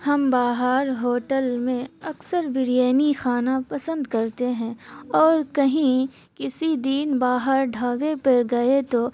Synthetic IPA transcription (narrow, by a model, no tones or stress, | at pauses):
hɐmbaːɦəːɾɦoːʈəlmẽɐksəɾbɪɾjɛːnixaːnapɐsə̃nd̪kɐɾt̪eɦɛ̃ːɔːɾkɐɦĩ | kɪsid̪iːnbaːɦəɾɖʱaːwepɐɾɡɐet̪o